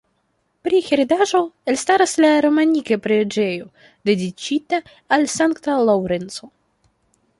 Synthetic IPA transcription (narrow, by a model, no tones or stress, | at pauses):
pɾixeɾedaʒo̞elstaɾaslaɾo̞manikepɾed͡ʒe̞jo̞ | de̞dit͡ʃitaː | lsaŋktalawɾenso̞